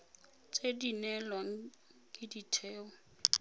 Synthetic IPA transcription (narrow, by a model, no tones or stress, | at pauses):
t͡sʼedinɛlwaŋ̩ | kʼɪditʰɛːɔ